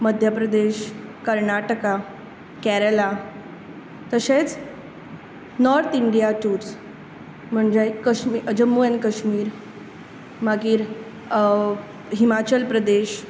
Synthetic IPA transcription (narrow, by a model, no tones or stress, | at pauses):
məd̪ʱjəpɾəd̪eɕkəɾɳaʈəka | kɛɾəla | t̪əɕet͡s | nɔɾt̪ʰiɳɖijaʈuːɾt͡s | m̤əɳd͡ʑekəɕmiəd͡ʑəmːuənkəɕmiːɾ | maɡiːɾ | ɦimat͡ɕəlpɾəd̪eɕ